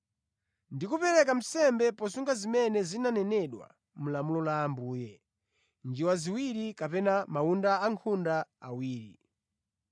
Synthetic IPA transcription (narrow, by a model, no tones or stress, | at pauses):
ndikupɛɾɛkam̩sɛmbɛpɔsuŋɡazimɛnɛzinanɛnɛɗwa̰ | m̩lamulɔlaːmbuːjɛ | nd͡ʒiwaziwiɾikapɛnamaundaaŋkʰundaa̰wiːɾḭ